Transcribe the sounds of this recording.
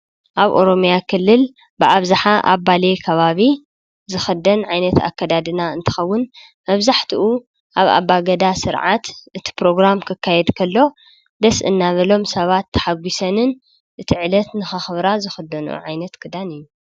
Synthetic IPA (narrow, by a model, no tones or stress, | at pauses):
ʔaβʔo̞̰ɾo̞mjakʰɨlːɨl | bɨʔaβzaħaʔa̰βːalekʰɐβaβi | zɨxɨd̪ɐnʕajnɐt̪a̰kːɐd̪ad̪ɨnaɨnt̪ʰɨ̥xɐwːʊn | mɐβzaħt̪ʰiʔu | ʔaβa̰βaɡɐd̪asɨɾʕat̪ʔɨt̪ʰi̥pɾo̞ɡɾamkʰɨkʰːajɛd̪kʰɐlːo̞ | d̪ɐsʔɨnːaβɐlo̞msɐβat̪ʰːɐ̥ħaɡʷisɐnɨn | ʔɨt̪ʰiʕɨlɐt̪nɨxɨxɨβɾazɨxɨd̪ːɐnṵʕajnɐt̪kʰɨd̪anɨjːu